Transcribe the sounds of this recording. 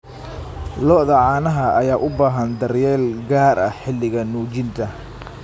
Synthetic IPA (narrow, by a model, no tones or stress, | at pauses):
lɔʔðɐʕɑːnɐɦɐʔɐjaːʔʊbaːɦɐnd̪ɐrjɛːlɡaːɾʔɐħɪlːɪɣɐnuːt͡ʃɪnt̪ʰɐ